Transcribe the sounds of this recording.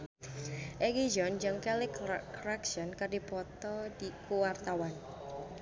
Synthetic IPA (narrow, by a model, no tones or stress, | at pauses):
ʔeɡid͡ʒɔnd͡ʒəŋkɛlɪkɾaksɔnkərdipɔt̪ɔd̥ikuwart̪awan